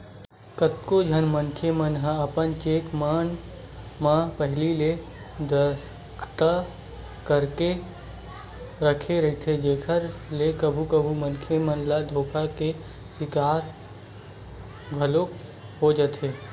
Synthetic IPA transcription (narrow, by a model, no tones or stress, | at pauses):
kət̪kod͡ʒʱənmənkʰemənɦə̃əpənt͡ʃeːkmən | mãpəɦlile | d̪əs | kʰt̪a | kəɾke | ɾəkʰeɾəɦit̪ʰed͡ʒeːkʰəɾlekəbʱukəbʱumənkʰemənlad̪ʱoːkʰake | sɪkaːɾ | ɡʱəlo | ɦod͡ʒət̪ʰɦeː